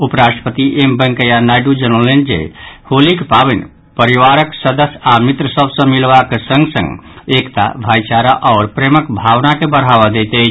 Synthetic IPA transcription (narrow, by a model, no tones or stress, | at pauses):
upɾasʈə̥pət̪iʔembəŋkəjanajɖud͡ʒənolend͡ʒḛholikpabən | pəɾiʋaɾəksəd̪əsamit̪ɾəsəbsə̃milbakesə̃ŋɡsə̰̃ŋɡekt̪a̰bʱajt͡ʃaɾaʔɔʊɾpɾeməkbʱaʋnakebəɽ̤aβad̪ɛt̪əjt͡ʃʰ